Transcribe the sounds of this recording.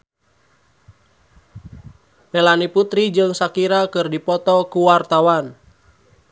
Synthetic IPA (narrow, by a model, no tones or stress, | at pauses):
mɛlaniput̪ɾid͡ʒɨŋsakiɾakɨrdipɔt̪ɔkuwart̪awan